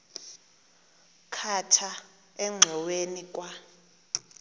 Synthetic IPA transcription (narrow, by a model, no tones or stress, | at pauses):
kʰatʰa | ɛŋ͡ǀʱɛwenik̬ʼwa